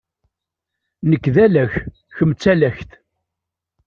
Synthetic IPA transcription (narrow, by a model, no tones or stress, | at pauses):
nəkːðælæç | çəmt͡sːælæçθ